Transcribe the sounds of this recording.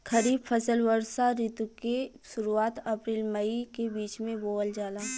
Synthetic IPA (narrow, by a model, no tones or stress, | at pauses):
kɐɾiːbfʰɐsəlʋəɾsaɾɪt̪uke | ʃʊɾuaːt̪ɐpɾiːlmɐikebiːt͡ʃmẽboːld͡ʒaːlaː